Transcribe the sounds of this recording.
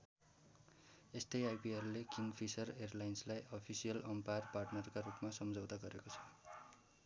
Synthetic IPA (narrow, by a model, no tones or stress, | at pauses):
est̪ʌjajpiʌrlekiŋɡpʰisʌrerlajnslajʔʌpʰisijʌlʌmparparʈnʌrkarupmasʌmd͡zʌwt̪aɡʌɾekot͡sʰʌ̥